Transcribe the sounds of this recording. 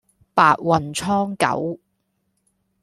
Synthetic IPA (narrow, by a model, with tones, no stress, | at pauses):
paː˨t̚wɐ˨nt͡sʰɔː˥ŋkɐ̰˨˥w